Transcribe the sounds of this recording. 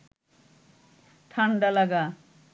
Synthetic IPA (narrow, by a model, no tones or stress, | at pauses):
ʈʰaɳɖalaɡa